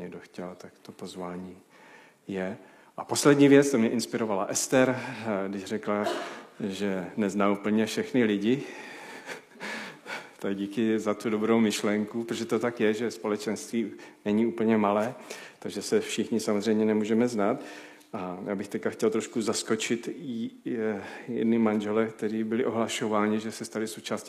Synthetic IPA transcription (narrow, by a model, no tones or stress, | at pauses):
ɲɛɡdoxcɛlt̪akt̪opo̞zvaːɲiː | jɛ | ʔapo̞slɛdɲiːvjɛt͡st̪omɲɛʔɪnspɪɾo̞valaʔɛst̪ɛɾɡdɪʃr̝ɛkla | ʒɛnɛznaːupl̩ɲɛfʃɛxnɪlɪɟɪ | t̪akɟiːkɪzat̪udo̞bɾowmɪʃlɛŋkupɾoʒɛt̪ot̪akjɛʒɛspo̞lɛt͡ʃɛnst̪viːnɛɲiuːpl̩ɲɛmalɛːt̪aɡʒɛsɛfʃɪxɲɪsamozrɛjmɲɛnɛmuːʒɛmɛznaːt̪ | ʔajaːbɪxt̪ɛckaxcɛlt̪ɾoʃkuzasko̞t͡ʃɪt̪ | jɛ̰dnɪmanʒɛlɛk̚t̪ɛɾiːbɪlɪʔo̞ɦlaʃo̞vaːɲɪʒɛsɛst̪alɪsowt͡ʃaːsc